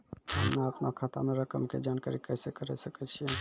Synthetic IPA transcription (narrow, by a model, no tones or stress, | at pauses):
əmnaəpnakʰat̪a̰meɾəkəmked͡ʒanka̰ɾikəsekəɾɛsəkɛt͡ʃʰiɛ